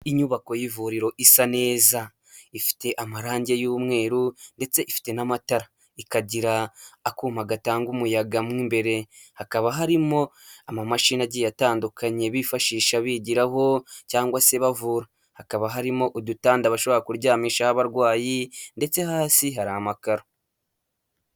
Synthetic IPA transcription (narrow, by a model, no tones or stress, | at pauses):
iɲuβako̞jivuɾiɾo̞ʔisane̞ːza | ifi̥te̞ʔamaɾaːɲɟe̞juːmŋe̞ːɾunde̞t͡se̞ʔifi̥te̞namataɾa | ikaɟiɾaːkuːmaɡataːŋɡumujaɡamwiːmbe̞ɾe̞hakaβaɦaɾimo̞ | amamaʃinaɟijataːndukaɲe̞βifaʃiːʃaβiɟiɾaɦo̞caːŋɡwase̞βavuɾa | hakaβaɦaɾimo̞ʔudutaːndaβaʃo̞βo̞ɾakuɾɟaːmiːʃahaβaɾɡwaːjinde̞t͡se̞haːsiɦaɾaamakaɾo